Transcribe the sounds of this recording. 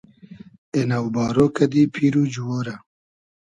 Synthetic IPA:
enawbaːɾoːkɐd̪iːpʰiːɾuːd͡ʒuwoːɾɐ

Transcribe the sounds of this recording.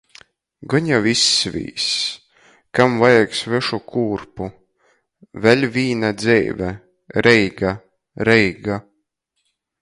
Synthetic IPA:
ɡɔɲavisːvʲḭːs | kamvajaksvɛʃukʰuːɾpu | vɛlʲvʲiːnad̪zɛ̰jvʲɛ | ɾɛjɡa | ɾɛjɡa

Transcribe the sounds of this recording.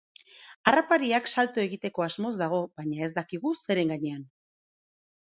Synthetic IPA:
arapaɾiaksalt̪oe̞ɣit̪e̞ko̞azmo̞zd̪aɣ̞o̞bajɲae̞zd̪akiɣ̞use̞ɾe̞ŋɡaɲe̞an

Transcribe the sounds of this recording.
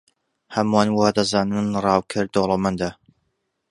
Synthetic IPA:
hɐmwaːnwaːd̪ɐzaːnɨnrˤɑːwkʰɨɾd̪olˠomɐnd̪a

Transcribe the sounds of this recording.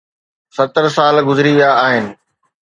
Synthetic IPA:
sɐt̪əɾsaːlɡʊzɪɾiaːɦɪnɪ̆

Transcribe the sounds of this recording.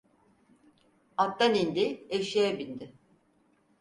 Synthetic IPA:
at̪ːanind̪ɪeʃijɛbind̪ɪ

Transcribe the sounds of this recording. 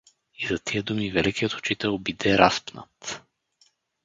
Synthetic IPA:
izɐt̪ʰiəd̪umivɛlɛkijət̪ʊ̥t͡ʃit̪ɛlˠbid̪ɛɾaspnə̰t̪

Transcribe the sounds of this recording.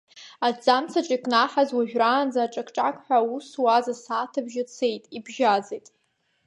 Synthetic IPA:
ad͡zamt͡sʰaʈ͡ʂʼikʼnaħazwaʒᶣraːnd͡zaːʈ͡ʂʼakʰʈ͡ʂʼakʼħʷᶣauswazasaːtʰabʒat͡sʰe̞jtʼibʒazejtʼ

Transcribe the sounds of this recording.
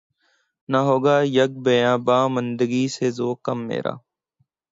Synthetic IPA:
naɦoːɡaːjəɡ̚bejãːbaːmənd̪əɡiːseːzoːkəmːḛːɾa̰ː

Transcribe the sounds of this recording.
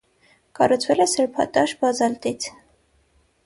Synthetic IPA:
kɑrut͡sʰvɛlɛsəɾpʰɑ̰t̪ɑʃbɑzɑlt̪it͡sʰ

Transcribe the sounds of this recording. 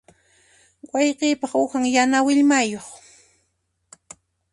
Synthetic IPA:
wɑjqiːpɑχʊhaŋjanawɪʎmajoχ

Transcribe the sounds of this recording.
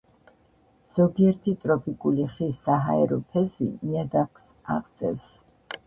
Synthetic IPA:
z̥ɔɡiɛɾt̪ʰit̪ʼɾɔpʼikʼuliχisːaɦaɛɾɔpʰɛzwḭniad̪aks | a̰ʁd̪sʼɛfs

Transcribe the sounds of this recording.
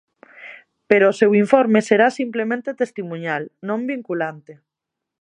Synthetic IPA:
peɾoːsewiɱfoɾmeseɾasimplemẽnt̪et̪est̪imũɲalnõmbiŋkulant̪e

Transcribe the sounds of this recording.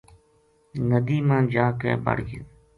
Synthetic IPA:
nəd̪iːmãːnd͡ʒaːkḛːbə̰ɽɡɪ̰n

